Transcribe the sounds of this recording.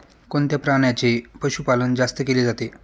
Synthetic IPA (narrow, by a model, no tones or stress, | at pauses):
kont̪japɾaɳ̃jat͡ɕepəɕupalənd͡zast̪əkeliːd͡zat̪e